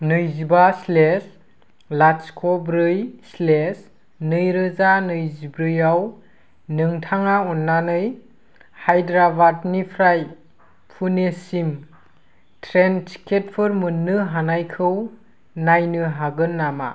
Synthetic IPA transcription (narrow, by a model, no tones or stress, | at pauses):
nɯjzibasles | laskʰɔbɾɯjsles | nɯjɾɯzanɯjzibɾɯjaw | nɯŋtʰaŋaɔnːanɯj | hajdɾabatnipʰɾaj | pʰunesim | tʰɾent͡ʃi̥kʰːet̚pʰɯɾmɯnːɯɦanajkʰɯw | najnɯɦaɡɯnːama̰